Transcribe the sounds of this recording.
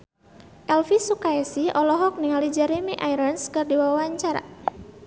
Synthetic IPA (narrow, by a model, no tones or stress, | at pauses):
ʔɛlfisukaɛsiʔɔlɔɦɔk̚niŋalid͡ʒɛɾemiʔajɾənskɨrdiwawaɲt͡ʃaɾa̰